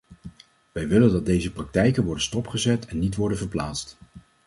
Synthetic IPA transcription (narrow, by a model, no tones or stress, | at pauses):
ʋɛjʋɪləndɑt̚dejzəprɑk̚tɛjkənʋɔɹdənstɔpχəzɛtʰɛnːitʋɔɹdənvəɹplaːtst